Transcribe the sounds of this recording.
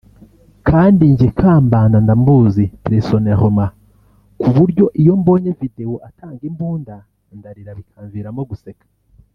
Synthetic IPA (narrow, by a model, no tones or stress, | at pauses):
kʰaːndiɲɟekʰaːmbaːndandambuzipɾesonehoma | kuβuɾɟo̞ʔijo̞mbo̞ːɲevidewo̞ʔatʰaːŋɡimbuːnda | ndaɾiɾaβikʰaːɱviɾamo̞ɡusekḁ